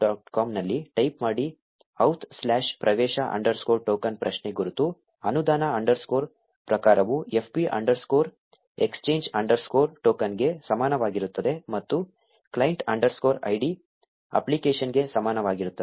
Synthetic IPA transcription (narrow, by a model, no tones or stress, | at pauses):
aːʈkaːmnɐlːiʈɐjpmaːɽi | ɐwt̪ʰslaːʃpɾʔɐʋɛːʃɐʔɐ̰ɳɖɐɾskoːɾʈoːkɐnpɾɐʃneɡuɾut̪u | ɐnud̪aːnɐɐɳɖɐɾskoːɾ | pɾɐkaːɾɐʋue̞pʰpiʔɐ̰ɳɖɐɾskoːɾ | ekst͡ʃeːɲd͡ʒɐɳɖɐɾskoːɾʈoːkɐnɡe̞sɐmaːnɐʋaːɡiɾut̪ːɐd̪e̞mɐt̪ːu | klɐjɳʈɐ̰ɳɖɐɾskoːɾɐ̰jɖi | ɐ̰plikeːʃɐnɡe̞sɐmaːnɐʋaːɡiɾut̪ːɐd̪e